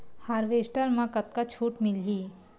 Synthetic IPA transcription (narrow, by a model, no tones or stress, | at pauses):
haːɾʋeːsʈəɾmãkət̪̚kat͡ʃʰuːʈmɪlɦiː